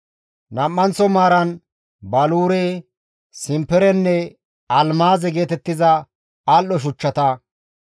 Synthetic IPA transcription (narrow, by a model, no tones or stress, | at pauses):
nɐmːɐnt͡sɔmaːɾɐn | bɐluːɾe | sɪmpɛɾɛnːɛ | ɐlmaːzɛɡe̞ːt̪ɛt̪ːɪzɐ | alːɔʃ̬ʊt͡ʃːɐt̪ɐ